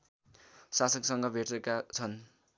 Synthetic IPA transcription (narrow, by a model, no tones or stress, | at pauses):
sasʌksʌŋɡʌbʱeʈrekat͡sʰʌn